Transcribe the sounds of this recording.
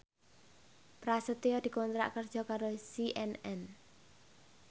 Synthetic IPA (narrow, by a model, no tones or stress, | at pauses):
pɾasət̪ejɔd̪̥i̤kɔnt̪ɾa̰ʔkərd̥ʒ̥ɔ̤kaɾosiʔɛnɛn